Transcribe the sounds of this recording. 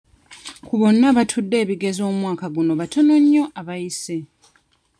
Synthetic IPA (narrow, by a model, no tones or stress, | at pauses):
kuβo̞nːaβatʰudːe̞ːβiɡe̞zo̞ːmwaːkaɡuno̞βatʰono̞ɲːo̞ʔaβajise